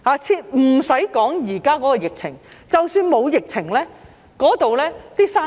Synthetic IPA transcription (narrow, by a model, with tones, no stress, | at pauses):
haː˨t͡sʰiː˧t̚m̩˨˩sɐ˨˥jkɔː˨˥ŋjiː˨˩kaː˥kɔː˨˥kɔː˧jɪ˨k̚t͡sʰɪ˨˩ŋt͡sɐ˨wsyː˧nmo˨˧wjɪ˨k̚t͡sʰɪ˨˩ŋlɛː˥ | kɔː˨˥t̪o˨wlɛː˥t̪iː˥saː˥